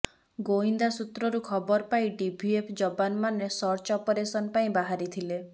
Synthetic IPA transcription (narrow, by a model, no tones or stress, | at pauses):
ɡoind̪asut̪ɾɔɾukʰɔbɔɾpaĩɖibʱiepʰd͡ʒɔbanmanesɔɾt͡ʃɔpɔɾesɔnɔpaĩbaɦaɾit̪ʰile